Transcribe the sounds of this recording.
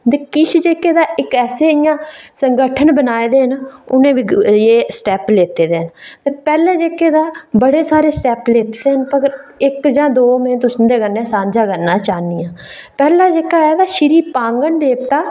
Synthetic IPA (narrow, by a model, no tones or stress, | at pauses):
d̪eːkɪt͡ʃʰd͡ʒeːkeːd̪aːɪkɛːseːɪjãːsəŋɡəʈʰənbənaːed̪eːɦənʊ̰nẽːʋiːjeːsʈɛːpleːt̪eːd̪eːɦənt̪eːpɛːlẽːd͡ʒeːkeːd̪aːbəɽeːsaːɾeːsʈɛːpleːt̪eːd̪eːɦənpəɡəɾɪkd͡ʒãːd̪oːmẽːt̪ʊsːd̪eːɡənːẽːsãːɲd͡ʒaːɡənːãːt͡ʃaːnijãː | pɛːlaːd͡ʒeːkaːɛːd̪aːʃɪɾiːpãːŋɡənd̪eːpt̪aː